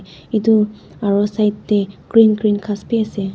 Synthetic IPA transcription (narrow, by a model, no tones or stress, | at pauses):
itu | aɹɔsajtːɛɡ̥ɹinɡɹinkʰaspiasɛ